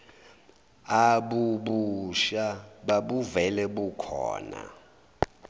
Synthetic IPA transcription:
aɓuɓuʃaɓaɓuvɛlɛɓukʰɔ̰ːna̰

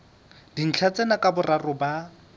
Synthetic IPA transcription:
d̥in̩t͡ɬʰat͡sɛnakʼabʊrarʊba

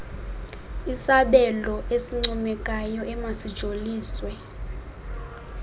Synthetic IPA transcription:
isaɓɛlɔesiŋ͡ǀumɛkʼajɔʔɛmasid̥ʒ̥ʱoliːswɛ

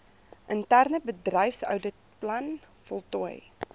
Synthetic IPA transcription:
ʔəntærnəbədrɛjfsœ̰wdə | plɐn | fɔlˠtuəj

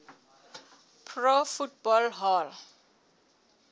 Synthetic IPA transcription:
pʰrofut̚bɔlɦɔl

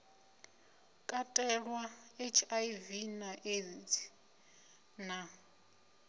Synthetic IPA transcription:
kʼatʼɛɺwaet͡ʃʰaivinaʔetʰ | na

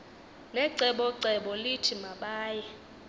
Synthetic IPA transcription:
nɛǀɛɓɔǀɛɓɔlitʰimaɓaːjɛ

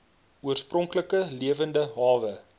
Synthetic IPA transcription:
uərsprɔŋkləkəliəvəndəɦɑːvə

